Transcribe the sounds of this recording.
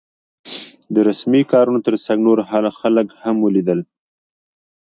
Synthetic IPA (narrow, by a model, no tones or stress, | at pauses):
d̪əɾasmikɑɾunot̪əɾsaɡnoɾɦɑlxaləkhamwəlid̪əl